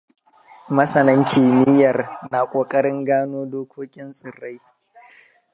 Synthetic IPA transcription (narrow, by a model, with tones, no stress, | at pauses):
mɐ˦sɐ˨nɐ˦ŋkʲʰi˨mɪ˦jɐ˨rna˨kʷʼoː˨kʼɐ˦ɽɪ˦ŋɡaː˦noː˦doː˦kʷoː˦kʲʼɪ˦nsʼɪ˨rːa˦j